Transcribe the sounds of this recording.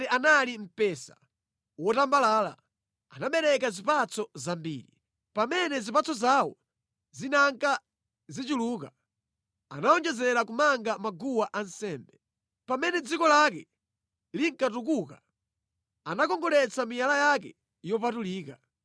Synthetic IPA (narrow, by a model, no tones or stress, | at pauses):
ɛʔanalim̩pɛsa̰ | wɔtambalaːla̰ | anaɓɛɾɛkazipat͡sʰɔzambiːɾi | pamɛnɛzipat͡sɔzawɔ̰ | zinaŋka | zit͡ʃiluka | a̰naɔnd͡ʒɛzɛɾakumaŋɡamaɡuwaʔansɛːmbɛ | pamɛnɛd͡zikɔlakɛ | liŋkatuk̬uka | anakɔŋɡɔlɛt͡samijalajak̬ɛ | jɔp̬atuliːka